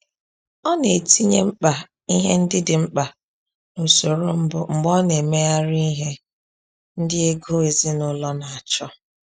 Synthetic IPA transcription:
ɔ˦ne˨ti˦ɲe˦m̩˦k͡pa˨ | i˦ɦḛ˦n̩˦dɪ˦dɪ˨ŋ͡m̩˦k͡pa˨ | no˨so˨ɾo˦m̩˦bʊ˨ŋ͡m̩˨ɡ͡bɔ˦ne˨me˦a˦ɾi˦i˦ɦe˦ | n̩˦dɪ˦e˦ɡo˦e˨zi˦nʊ˦lɔ˦na˨a˨t͡ʃɔ˦

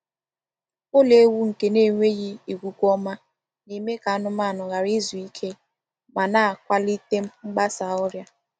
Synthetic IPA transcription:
ʊ˦le˦wu˦ŋ̩˨ke˦ne˦˨ŋʷe˦ɣi˦i˨ɡʷu˨kʷɔ˦ma˦ | ni˨me˦ka˨a˦nʊ˦ma˦˨nʊ˨ɣa˨ɾi˦zu˨i˦kʰe˦ | ma˨na˦a˨kʷa˦li˦te˦m̩˦ŋ͡m̩˦ɡ͡ba˦sa˨ɔ˦ɾja˦

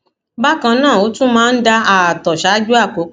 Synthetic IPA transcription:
ba˦kã˧nãː˦˨o˨˦tũ˦mãː˦˧n̩˦da˧a˨tɔ˨ʃa˨˦d͡ʒu˦a˦˨ko˨˦

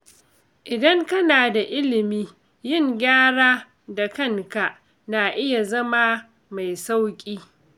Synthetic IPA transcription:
ʔɪ˨dɐ˦ŋkɐ˦naː˨da˨ʔɪ˦lɪ˨miː˦ | jɪ˦˨ŋɡʲaː˦ɽaː˦ | da˨kɐ˦ŋka˨ʔ | naː˨ʔɪ˦ja˨zɐ˦ma˦ | ma˨jsa˦wkʲʼiː˦

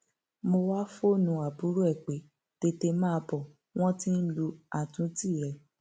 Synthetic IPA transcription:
mo˧wa˦fo˦˨nũ˧a˨bu˨˦ɾu˦ɛ˦˨k͡pe˨˦ | te˧te˧mãː˦˧bɔ˨ | w̃ɔ̃˦tĩ˦n̩˦lu˧a˨tũ˦ti˦˨ɾɛ˨˧

